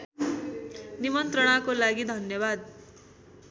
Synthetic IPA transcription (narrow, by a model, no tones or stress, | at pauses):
nimʌnt̪ɾʌɽ̃akolaɡid̪ʱʌnjʌbad̪̚